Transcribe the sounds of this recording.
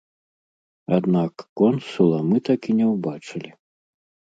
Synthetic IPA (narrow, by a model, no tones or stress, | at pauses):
ad̪nakːɔnsulˠɐmɨt̪akʲinʲɛwbat͡ʂɨlʲi